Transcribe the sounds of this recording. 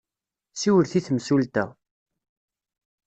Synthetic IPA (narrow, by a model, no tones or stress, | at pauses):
siwəɾθiθmsult̪æ̰